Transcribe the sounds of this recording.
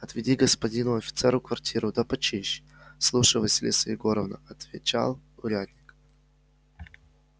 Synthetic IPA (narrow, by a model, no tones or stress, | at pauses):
ɐt̪vʲɪdʲiɡəspɐdʲinʊɐfʲɪ̥t̪sɛɾʊkvɐrtʲʰiɾʊd̪ɐpɐt͡ɕiɕslˠuʂɨjvəsʲɪlʲḭsəjɪɡoɾəvnə̰ɐt̪vʲɪt͡ɕa̰lˠʊɾʲad̪ʲnʲɪk